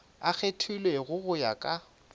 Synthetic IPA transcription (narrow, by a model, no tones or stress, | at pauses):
ak͡xʰetʰulweɣʊɣʊja̰kʼa